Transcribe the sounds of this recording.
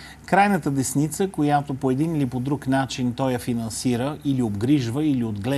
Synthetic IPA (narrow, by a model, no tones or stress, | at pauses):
kɾajnət̪əd̪ɛsnit̪səkojat̪opoɛd̪inilipod̪ɾuknat͡ʃint̪ɔjɐfinɐnsiɾəiliobɡɾiʒvəiliod̪ɡlɛ